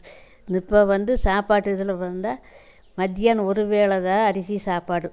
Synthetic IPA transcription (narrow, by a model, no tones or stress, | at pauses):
nɪpːɐʋɐnd̪ɯsaːpaːʈːɯɪðɯlɐʋɐnd̪aː | mɐd̪ɪjaːnɔɾɯʋeːɭɐðãːɐɾɪsisaːpaːɽɯ